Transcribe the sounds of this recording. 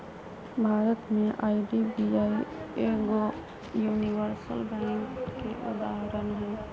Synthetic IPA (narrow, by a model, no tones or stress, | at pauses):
bʱaːɾət̪mẽʔaːiɖibiaːieɡo | juːniʋəɾsəlbɛ̃ːŋkːeʔʊ̰d̪aːɦɾənɦɛ̃ː